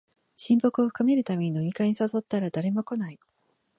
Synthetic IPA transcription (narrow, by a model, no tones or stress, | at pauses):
ɕĩmbo̞kɯ̟o̞ɸɯ̟̥kame̞ɾɯ̟t̪ame̞ɲ̟ino̞ɲ̟ʲikaɲ̟isaso̞t̪ːaɾad̪aɾe̞mo̞ko̞nai